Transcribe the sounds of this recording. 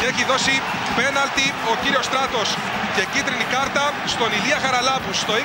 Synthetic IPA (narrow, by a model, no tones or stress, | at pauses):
eçiðo̞si | pe̞nɐlt̪io̞ciɾio̞st̪ɾɐt̪o̞s | ce̞cit̪ɾinikɐɾt̪ɐst̪o̞niliɐxɐɾɐlɐpust̪o̞i